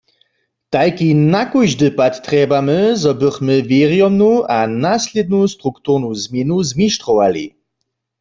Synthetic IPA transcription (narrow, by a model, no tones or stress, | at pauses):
t̪ajkinakujʒdɨpat̪ːʁɛːbaməzɔbɨχməvjeʁjɔmnuanasled̪̚nust̪ʁukt̪uʁnuzmjɛnuzmiʃtʁɔwalḭ